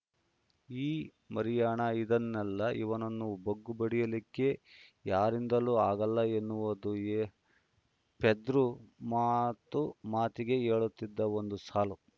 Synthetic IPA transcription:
iː | mɐɾijaːɳɐid̪ɐnːɛlːɐʔiʋɐnɐnːubɐɡːubɐɽijɐlikːe̞jaːɾind̪ɐluːaːɡɐlːɐenːuʋɐd̪u | ped̪ɾumaːt̪ːumaːt̪iɡe̞ɦeːɭut̪ːid̪ːɐo̞nd̪usaːlu

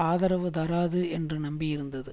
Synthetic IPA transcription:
aːðɐɾɐʋɯd̪ɐɾaːðɯɛndrɯnɐmbijɪɾɯnd̪ɐðɯ

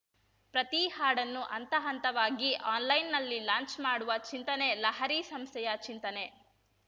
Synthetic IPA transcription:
pɾɐt̪ihaːɽɐnːuʔɐnt̪ɐɦɐnt̪ɐʋaːɡiʔaːnlɐjnːɐlːilaːnt͡ʃmaːɽuʋɐt͡ʃint̪ɐne̞lɐɦɐɾiːsɐmst̪ʰɛjɐt͡ʃint̪ɐne̞

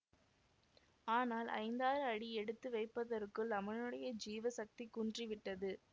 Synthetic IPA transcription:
aːnaːlʔɐ̰ɪnd̪aːɾɯɐɽiɛɽɯt̪ːɯʋɐɪpːɐðɐɾɯkːɯɭɐmɐnɯɽɐjɐd͡ʒiːʋɐsɐk̚t̪ikːundriʋɪʈːɐðɯ

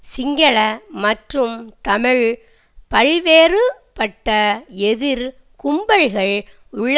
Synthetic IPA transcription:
sɪŋɡɐɭɐmɐʈrɯmt̪ɐmɪɻ | pɐɻʋeːrɯ | pɐʈːɐɛðɪɾ | kʊmbɐɻɣɐɭ | ʊɭː

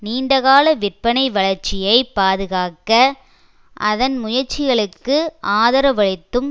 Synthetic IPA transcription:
niːɳɖɐɣaːlɐʋɪrpɐnɐɪʋɐɭɐɾt͡ʃːɪjɐɪpːaːðɯɣaːkɐ | ʔɐðɐnmʊjɐɾt͡ʃːɪɣɐɭɯkːɯʔaːðɐɾɐʋɐɻɪt̪ːɯm

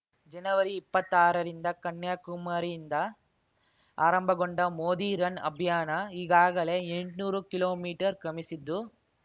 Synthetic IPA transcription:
d͡ʒɛnɐʋɐɾiːpːɐt̪ːaːɾɐɾɪnd̪ɐkɐɳːjaːkʊmaːɾind̪ɐ | aːɾɐmbɐɣɔɳɖɐmoːðiɾɐnɐ̰bʱɪjaːnaɪɣaːɣɐɭeɛɳɖnuːɾɯkɪloːmiːʈɐɾkɐmɪsɪd̪ːu

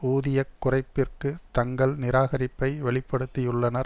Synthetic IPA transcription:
uːðɪjɐkkːʊrɐɪpːɪrkɯt̪ɐŋɡɐɭnɪɾaːɣɐɾɪpːɐɪʋɛɭɪpːɐɽɯt̪ːɪjɯɭːɐnɐɾ

